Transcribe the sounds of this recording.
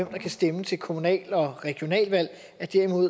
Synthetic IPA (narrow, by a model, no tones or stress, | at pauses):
emd̥ɑ̈kʰæsd̥emət͡sʰe̝lkʰo̝munɛ̰ːlɒ̽ʁɛɡ̥io̝nɛ̰ːlʋæl̰ | æɐd̥eɐ̰imo̝ð̰ˠ